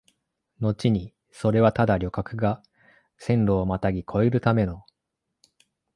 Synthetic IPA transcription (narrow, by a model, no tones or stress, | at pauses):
no̞t͡ɕiɲ̟i | so̞ɾe̞βat̪ad̪aɾʲjo̞kakɯ̟ɡa | sẽ̞nɾo̞ːmat̪aɡʲikʰo̞eɾɯ̟t̪ame̞no̞